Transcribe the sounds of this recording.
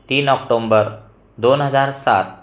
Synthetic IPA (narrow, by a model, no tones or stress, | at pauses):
t̪iːnɔk̚ʈombəɾ | d̪onɦəd͡zaɾsa̰t̪̚